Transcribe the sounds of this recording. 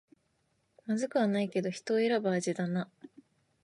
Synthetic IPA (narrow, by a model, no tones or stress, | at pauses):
mazɨkɯ̟βanaike̞d̪o̞çi̥t̪o̞ːeɾabaːʑid̪ana